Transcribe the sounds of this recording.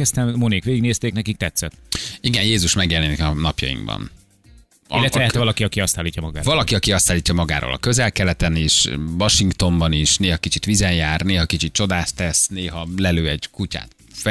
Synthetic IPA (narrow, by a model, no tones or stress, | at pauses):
ɛst̪ɛmmonikʋeːɡiɡneːst̪eːknɛkik̚t̪ɛt̪sɛt̪iɡɛnjeːzuʃmɛɡjɛlɛnikɒnɒpjɒ̰jḭŋɡbɒ̰n | illːɛt̪ɛɛɛvɒlɒkiɒkiɒst̪aːlːiːcːɒmɒɡa̰ːɾvɒlɒkiɒkiɒst̪aːlːiːc̪ːɒmɒɡa̰ːɾʔo̰ːlʔɒ̰kø̞zɛlkɛlɛt̪ɛniʃvɒʃiŋkt̪o̞mbɒniʃneːɦɒkit͡ʃit̪ʋizɛjjaːrneːɦɒkit͡ʃit̪̚t͡ʃo̞d̪aːst̪ːɛsneːɦɒlɛløːɛɟkuca̰ːt̪ | f